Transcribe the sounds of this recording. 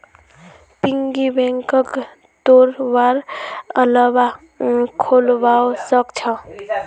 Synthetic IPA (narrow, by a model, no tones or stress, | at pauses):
piŋɡibeŋkək | t̪oɾbaɾələba | kʰolbaosəkt͡ʃʰʌ̃